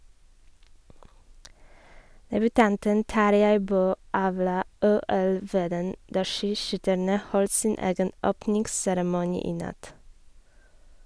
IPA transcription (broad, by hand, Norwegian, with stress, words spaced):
dɛbʉˈtɑntən ˈtɑɾjæɪ ˈbøː ˈɑːʋlɑː ˈuːɛl ˈʋeːdən ˈdɑː ˈʃiːˌʃʏtæɳə ˈhɔlt ˈsiːn ˈeːɡən ˈoːpnɪŋɡsæɾmʊˌniː ˈiː ˈnɑt